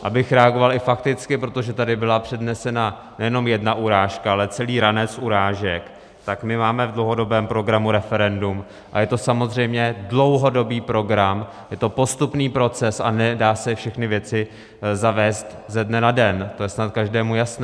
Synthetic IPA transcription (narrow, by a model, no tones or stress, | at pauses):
ʔabɪxɾɛaɡo̞valɪfakt̪ɪt͡skɪpɾo̞t̪o̞ʒɛt̪adɪbɪlapr̝̥ɛdnɛsɛna | nɛjɛno̞mjɛdnaʔuɾaːʃkaalɛt͡sɛliːɾanɛt͡sʔuɾaːʒɛk | t̪akmɪmaːmɛvdlowɦo̞do̞bɛːmpɾo̞ɡɾamuɾɛfɛɾɛndum | ʔajɛt̪o̞samo̞zr̝ɛjmɲɛdlo̞wɦo̞do̞biːpɾo̞ɡɾam | jɛt̪o̞po̞st̪upniːpɾo̞t͡sɛsa̰nɛdaːsɛfʃɛxnɪvjɛt͡sɪ | zavɛːst̪zɛdnɛnadɛnt̪o̞jɛsnat̪̚kaʒdɛːmujasnɛ